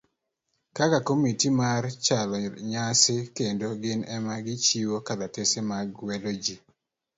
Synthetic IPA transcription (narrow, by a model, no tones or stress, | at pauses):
kakakomitimart͡ʃalɔɲasekendoɡɪnɛmaɡɪt͡ʃiwokad̪atesemaɡwɛdod͡ʒi